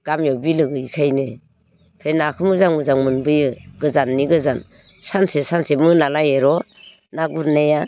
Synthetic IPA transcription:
ɡ̥amjɔwbilɯɡɯikʰajne | tʰɯjnakʰɯmɯzaŋmɯzaŋmɯnbɯjɯɡɯzanːiɡɯzan | sansesansemɯnalajeɾɔ | naɡuɾneja

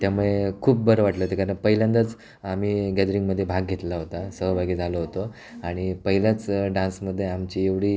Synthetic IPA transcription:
t̪jamuɭekʰuːp̚bəɾəʋaʈlət̪ekaɾəɳpəɦiljãnd̪ət͡s | am̤iːɡɛd̪əɾiŋɡməd̪ʱːjebʱaɡɡʱet̪laɦot̪asəɦbʱaɡiːd͡zʱaloɦot̪o | aɽ̃ipəɦiljat͡sɖãnsməd̪ʱːjeamt͡ɕieʋɽ̤iː

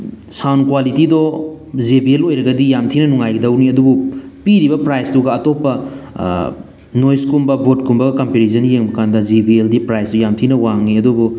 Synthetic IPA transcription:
sawnkwalitidɔ | zibielojɾɐɡɐdijamtʰinɐnuŋajɡidɐwniɐdubupiɾibɐpɾajstuɡɐːtopːɐ | nojskumbɐbot̚kumbɐɡɐkɐmpeɾizʰɐnjeŋbɐkandɐzibieldipɾajsdɔjamtʰinɐwaŋniɐdubu

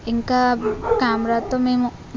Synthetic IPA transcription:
ɪŋkakaːmɾat̪ːomẽm

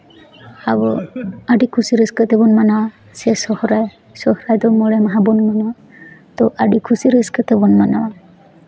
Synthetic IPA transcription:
abɔaɖikʰusiɾəskət̪ɛbɔnmanawa | sɛsɔhɾaj | sɔhɾajd̪ɔmɔɭɛmaɦabɔnmanawa | t̪ɔʔaɖikʰusiɾeskət̪ɛbɔnmanawa

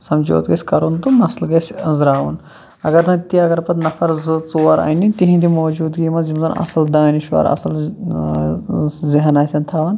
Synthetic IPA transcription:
sɐmd͡ʒo̰ːt̪ɡɐsʲkɐɾund̪unɐslɡɐsʲzɾaːʋṵn | ɐ̰ɡɐɾnɐt̪iɐɡɐɾpɐt̪nɐfʰɐɾzɨt͡suːɐɾɐ̰a̰ːnit̪iɦĩd̪imoːd͡ʒuːd̪ɡiːmɐzimzɐnɐ̰sɐld̪aːniʃʋɐ̰ːɾɐ̰sɐl | ziɦɐnaːsʲɐnt̪ʰaːʋɐn

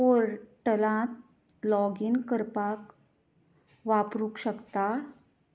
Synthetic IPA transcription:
oɾʈəlãt̪̚ | lɔɡinkəɾpak | ʋapɾukɕəkt̪a

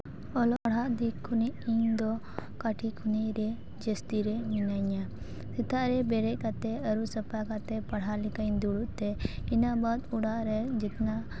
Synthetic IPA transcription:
ɔlɔʔɽɦaʔd̪ikʰːuniʔiɲd̪ɔ | kaʈʰikʰuniʔɾɛ | d͡ʒəst̪iɾɛminaɲa | sɛt̪aʔɾɛbɛɾɛc̚kat̪ɛəɾusəpakat̪ɛpaɽɦalikaɲd̪uɽuʔt̪ɛinabad̪uɽaʔɾɛd͡ʒikna

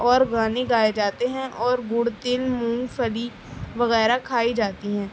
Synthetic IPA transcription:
ɔːɾɡaːniɡaːed͡ʒaːt̪eɦɛ̃ʔɔːɾɡʊɽt̪ɪlmũːɡpʰəli | ʋəɣɛːɾakʰaːid͡ʒaːt̪iɦɛ̃ː

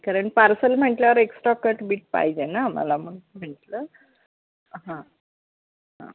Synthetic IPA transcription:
kəɾəɳʈpaɾsəlm̤əɳʈljaʋəɾeksʈɾakəɾʈbiːʈ̚pa̰ɦid͡ʑenama̰lamuɳm̤əɳʈlə | ɦã | ɦã̰

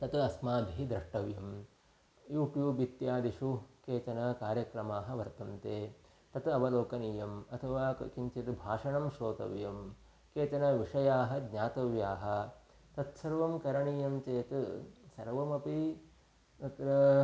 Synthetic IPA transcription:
t̪ɐt̪ɐsmaːbʱiɦid̪ɾɐʂʈɐʋjɐm | juːʈjuːbit̪jaːd̪iʃukeːt͡ʃɐnɐkaːɾjɐkɾɐmaːɦɐ̆ʋɐɾt̪ɐmt̪eː | t̪ɐt̪ɐʋɐloːkɐniːjɐmɐt̪ʰɐʋaːkiɲt͡ʃ̪jɐt̪bʱaːʂɐɳɐmʃoːt̪ɐ̰ʋjɐm | keːt͡ʃ̪ɐnɐʋiʂɐjaːɦɐɡɲaːt̪ɐʋjaːɦɐ̆ | t̪ɐt̪sɐɾʋɐmkɐɾɐɳiːjɐmt͡ʃeːt̪sɐ̰ɾʋɐmɐpi | t̪ɐt̪ɾɐ

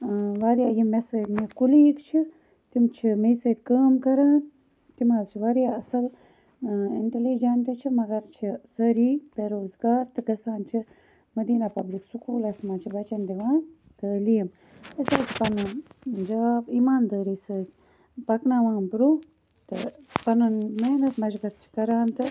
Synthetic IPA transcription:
ʋaːɾjaːjimːɛsəd̪mekuliːkt͡ʃʰi | t̪imt͡ʃʰimesəːt̪ʲkəːmkɐɾaːn | t̪imaːzt͡ʃʰiʋaɾjaːɐsɐl | iɳʈelid͡ʒɐnʈɐt͡ʃʰimɐɡɐɾt͡ʃʰisɐɾiːpeɾoːzɡaːɾt̪ɨkɐsaːnt͡ʃʰi | mɐd̪iːnapɐbliksukuːlɐsmaːt͡ʃʰibɐt͡ʃɐnd̪iʋãːn | t̪əlijɐm | isaːt͡ʃʰi̥pɐnɐd͡ʒaaːbimaːnd̪əːɾiːsəːd̪ | pɐknaːʋaːnbɾu | t̪ɨ̰pɐnɐnmeːnɐt̪mɐʃbɐt̪̚t͡ʃʰi̥kɐɾaːnt̪ɨ

